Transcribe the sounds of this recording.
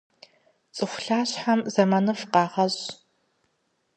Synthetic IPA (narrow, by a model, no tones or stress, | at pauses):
t͡sʼɨxʷɬaːɕħamzɐmɐnɨfqɑːʁɐɕ